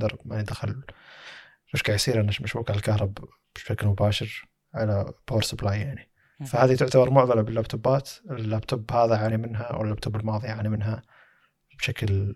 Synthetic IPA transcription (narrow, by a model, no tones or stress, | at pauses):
d̪ɑɾˤmajɪd̪axɪl | ʔʊʃkaʕjasiːɾaʔɪnːaʃmɪʃbuːkʕalkahɾˤɑb | b̥ʃaklmʊbaːʃɪɾ | ʕalab̥oːɾsʊblaːjːaʕni | fahaːðit̪ɪʕt̪abɑɾˤmʊʕðɑlabɪlːab̚t̪ʰʊbaːt̪ɪlːabt̪ʊbːhaːðaʕanimɪnɦa̰wɪ̰lːab̚t̪ʰʊbːalmɑːðˤiaʕaːnimɪnɦa | b̥ʃakl